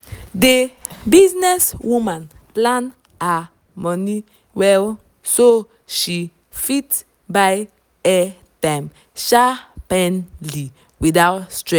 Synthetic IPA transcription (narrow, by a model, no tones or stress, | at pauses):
debiznɛswũmãn | plãn | a | mɔ̃ni | wɛl | so | ʃi | fit | baj | ɛ | tãjm | ʃapɛ̃nli | widawtstɹɛ